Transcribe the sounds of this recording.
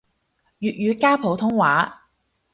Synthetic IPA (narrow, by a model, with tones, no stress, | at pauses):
jyː˨t̚jyː˨˧kaː˥pʰo˨˧˥wt̪ʰʊ˥ŋwa̰ː˨˥